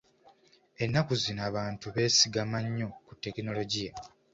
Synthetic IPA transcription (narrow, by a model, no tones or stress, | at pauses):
e̞nːakuzinaːβaːntuβe̞ːsiɡamaɲːo̞kutːe̞kino̞lo̞ɟija